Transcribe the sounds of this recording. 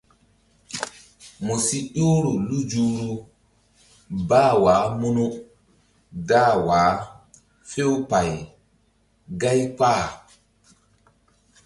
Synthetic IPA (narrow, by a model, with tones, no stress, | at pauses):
mɔ˨si˦ʄoː˦ɾu˨lu˦d͡ʒuː˦ɾu˦ | baː˦waː˨˦mu˦nu˦ | ɡaː˦waː˨˦ | fe˦wpa˨j | ɡa˦jpaː˦˨